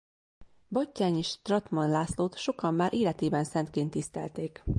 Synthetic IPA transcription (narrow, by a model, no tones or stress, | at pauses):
bɒcːaːɲeːʃt̪rɒt̪mɒnlaːsloːt̪ʃo̞kɒmːaːɾʔeːlɛt̪eːbɛnsɛnt̪̚keːnt̪ːist̪ɛ̰lt̪eːk